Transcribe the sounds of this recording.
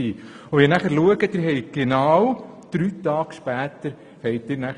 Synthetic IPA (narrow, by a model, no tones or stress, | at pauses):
iː | oʋinæχəɾluəɡəd̥̪ɪɾɦɛɪɡ̥enɑːw | d̪̥ɾyːt̪ɑːɡ̥ʃpæːt̪əɾ | fɛɪt̚dɪɾnæ